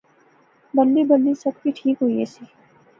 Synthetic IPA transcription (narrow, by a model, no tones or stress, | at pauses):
bɐld̪ibɐnd̪isɐbkiʈʰiːkɦoiesiː